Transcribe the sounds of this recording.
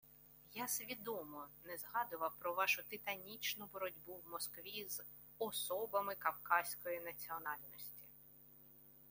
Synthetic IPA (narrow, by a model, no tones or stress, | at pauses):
jasʲʋʲid̪ɔmɔnɛzɦɑd̪ʊʋɐpɾɔʋɑʃʊt̪ɪt̪ɐnʲit͡ʃnʊbɔɾɔdʲbuwmɔskʋʲiz | ɔsɔbɐmɪkɐwkɑzsʲkɔjinɐt͡sʲiɔnɑlʲnɔsʲtʲi̥